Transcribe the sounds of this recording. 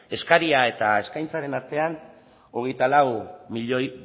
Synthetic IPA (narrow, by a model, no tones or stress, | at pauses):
e̞skaɾiae̞t̪ae̞skajnt͡saɾe̞naɾt̪e̞an | o̞ɣ̞e̞jt̪alawmiʎoj